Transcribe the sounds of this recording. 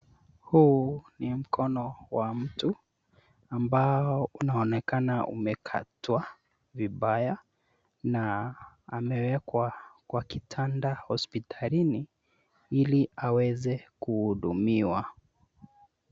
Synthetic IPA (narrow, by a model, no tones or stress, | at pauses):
hunim̩kʰɔnɔwam̩tu | ambaɔunaɔnɛkanaṵmɛkʰa̰twa | viɓaja | naː | mɛwɛkwakwakitʰandahɔspitʰalini | iliawɛzɛkuhuɗumiwa